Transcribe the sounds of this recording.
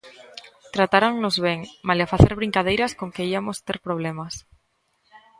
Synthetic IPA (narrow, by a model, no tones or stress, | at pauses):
t̪ɾat̪aɾaŋnozβeŋmalafaθeɾβ̞ɾiŋkað̞ejɾaskoŋkeiamost̪eɾpɾoβ̞lemas